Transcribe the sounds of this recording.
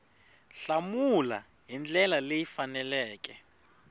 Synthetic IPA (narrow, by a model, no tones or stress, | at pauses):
ɬamula̰ | ɦind͡ɮɛlalejifanɛlɛːk̬ʼɛ